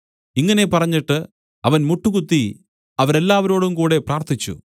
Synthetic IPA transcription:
iŋːɐne̞pɐrɐɲːiʈːɨ | ɐʋɐnmuʈːukut̪ːi | ɐʋɐɾe̞lːaːʋɐɾo̞ːɽumkuːɽe̞praːrt̪ʰit͡ɕːṵ

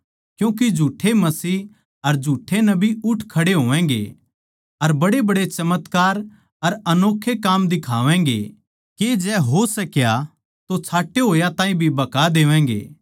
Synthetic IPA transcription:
kjũːk̬id͡ʒʱuːʈʰːemɐsiː | ɐɾd͡ʒʱuːʈʰːenɐbʱiʊʈʰkʰɐɽeɦoːʋɛ̃ːɡḛ | ɐɾbɐɽebɐɽet͡ʃɐmət̪kaːɾ | ɐɾɐnoːkʰːekaːmd̪ɪkʰaːʋɛ̃ːŋɡḛ | ked͡ʒɛːɦosɐkja | t̪ot͡sʰaːʈʰːeɦoːjat̪ãːĩbʱibɐkad̪eːʋɛ̃ːŋɡḛː

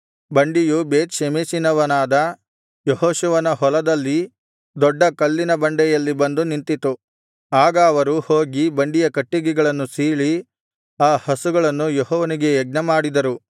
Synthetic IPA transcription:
bɐɳɖijubeːt̪ʃemesinɐʋɐnaːd̪ɐ | jɔhɔːʃuʋɐnɐɦɔlɐd̪ɐlːi | d̪ɔɖːɐkɐlːinɐbɐɳɖɛjɐlːibɐnd̪unint̪it̪u | aːɡɐːʋɐɾuhoːɡibɐɳɖijɐkɐʈːiɡɛɡɐɭɐnːusiːɭi | aːhɐsuɡɐɭɐnːujɔɦɔːʋɐniɡe̞ːɡ̚nɐmaːɽid̪ɐɾu

